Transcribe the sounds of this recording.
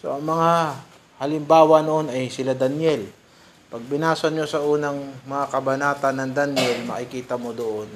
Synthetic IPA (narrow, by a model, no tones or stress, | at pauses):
so̞̰ʔɐŋmɐŋa | hɐlɪmbaːwɐnoʔo̞nɐjsɪlad̪ɐnjɛl | pɐɡ̚bɪnaːsɐnɲo̞sɐʔuːnɐŋmɐŋakɐbɐnaːt̪ɐnːɐŋd̪anjɛlmɐ̰kɪkiːt̪ɐmo̞d̪oʔon